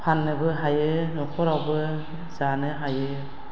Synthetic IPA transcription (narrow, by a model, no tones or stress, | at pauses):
pʰanːɯbɯɦajɯnɔkʰɔɾawbɯ | zanɯɦajɯ